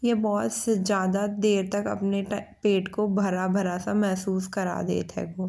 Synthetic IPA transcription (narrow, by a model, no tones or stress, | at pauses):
jebɔːt̪ssezjaːd̪ad̪eːɾt̪ɐkɐ̰pnepeːʈkobʱɐɾabʱɐɾasamɛɦsuːskɐɾa̰ːd̪ḛːt̪ɦɛ̰ɡoː